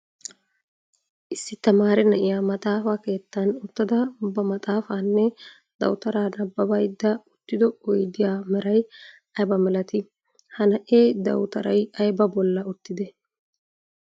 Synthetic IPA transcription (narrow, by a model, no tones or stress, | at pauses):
ʔɪsːɪt̪ɐmaːɾɛnɐʔɪjaːmɐt̪ʼaːfaːke̞ːt̪ːɐnʊt̪ːɐd̪ɐʊbːɐmɐt̪ʼaːfaːnːɛ | d̪ɐ̰wt̪ɐɾaːnɐbːɐbɐjd̪ːɐʊt̪ːɪd̪ɔɔjd̪ɪjaːmɛɾɐj | ɐjbɐmɛlɐt̪ɪ | hɐnɐʔeːd̪ɐwt̪ɐɾɐjɐjbɐbɔlːɐʊt̪ːɪd̪ɛ